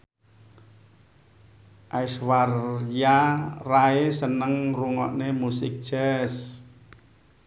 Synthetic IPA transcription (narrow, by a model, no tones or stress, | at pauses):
ʔajswarjaraesənəŋruŋɔ̰ʔnemusɪk̚ʒ̥ɛs